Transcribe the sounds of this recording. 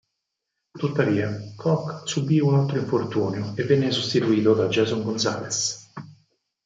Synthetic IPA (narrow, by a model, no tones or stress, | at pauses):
t̪ut̪ːaviːakʰɔkːsubiunalt̪ɾoiɱfort̪uːnjoevːɛnːesust̪it̪uiːt̪od̪ad͡ʒɛːzuŋɡonsa̰ːles